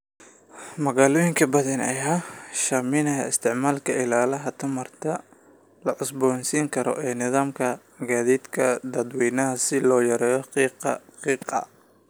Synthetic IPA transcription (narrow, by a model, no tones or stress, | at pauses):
mɐɣaːlɔːjɪŋkʰɐbɐðɐnɐ̰jaːʃaːmɪnɐɦɐɪst̪ʰɪʕmaːlkʰɐɪlaːlɐɦɐt̪ʰɐmɐrt̪ʰɐ | lɐʕʊsbɔːnsiːŋkʰɐɾɔ̰ʔɛːnɪðaːmkʰɐ | ɡaːðiːd̪kʰɐd̪ɐd̪wɛːnɐɦɐsɪlɔːjɐɾɛːjɔqiːqɑ̰qiːqɐ̰